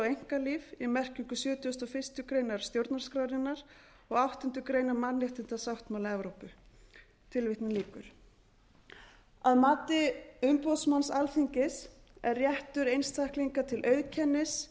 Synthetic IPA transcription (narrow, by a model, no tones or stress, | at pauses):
awejŋ̥kaliːvimɛr̥ciŋkʏsjœːt̪jʏst̪ɔfɪ̥st̪ʏkɾejnaɾ̥st̪jowɾt̪naɾ̥skɾaːwɾɪnːaɾ̥ | ɔɣawht̪ʏn̥t̪ʏkɾeːjnaɾmanːɪht̪ʏn̥t̪asawht̪mawlɛvɾowpʏ | t̪ʰɪlvɪht̪nɪliːkʏɾ̥ | aðmaːt̪ɪʏmpɔðsmansalθiɲcɪs | ɛ̰rːjɛht̪ʏɾejnst̪ʰahkliŋkat̪ʰɪlʔœːɥðcʰɛnːɪs